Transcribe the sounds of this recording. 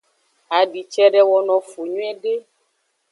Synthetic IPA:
a˨ɖi˨t͡ʃɛ˦ɖɛ˦wɔ˨nɔ̃˨fu˨ɲũ˦ɛ˦ɖe˦

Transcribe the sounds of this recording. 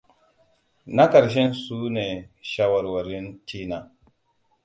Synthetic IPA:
na˦kɐ˨ɾʃ̬ɛ˦nsuː˦neː˨ʃa˦wɐ˨ɾwɐ˨ɾɪ˦ntiː˦naː˨

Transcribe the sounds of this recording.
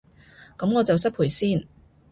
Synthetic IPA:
kɐ˨˥mŋɔː˨˧t͡sɐ˨wsɐ˥pʰuː˨˩jsiː˥˩˨n

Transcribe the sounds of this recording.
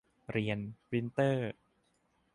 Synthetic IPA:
ɾi˧ənwi˧˥nt̪ɤː˥˩

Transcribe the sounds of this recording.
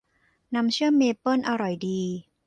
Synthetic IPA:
na˧mt͡ɕʰɯ˥˩əmeː˧pɤ˥˩nʔa˧ɾɔ˨˩jdiː˧

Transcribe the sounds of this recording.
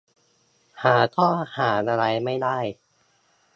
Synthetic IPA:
haː˩˦t̪ʰɔː˥˩haː˩˦nʔa˧ɾa˧jma˥˩jdaː˥˩j

